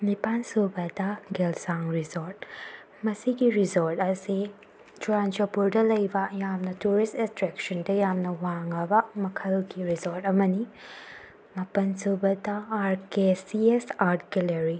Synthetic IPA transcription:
nipansubɐdɐɡelsaŋɾizoɾt̚ | mɐsiɡiɾizoɾtɐsi | d͡ʒuɾand͡ʒopuɾdɐlɐjbɐjamnɐtuɾistestɾeksɐndɐjamnɐwaŋɐbɐmɐkʰɐlɡiɾizoɾtɐmɐni | mɐpɐnsubɐdɐːɾkesiesaɾtkeleɾi

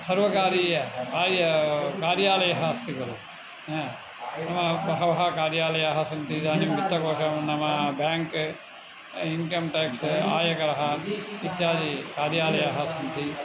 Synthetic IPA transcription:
sɐɾʋɐkaːɾiːjɐkaːɾjɐkaːɾjaːlɐjɐɦɐst̪ikɐɾu | nɐmɐʋɐɦɐʋɐɦɐkaːɾjaːlɐjɐɦɐsɐnt̪id̪aːnimbit̪ːɐkoːʃɐmnɐmɐbjaːŋk | iŋkɐmʈeːksaːjɐkɐɾɐɦɐit̪jaːd̪ikaːɾjaːlɐjɐɦɐsɐnt̪i

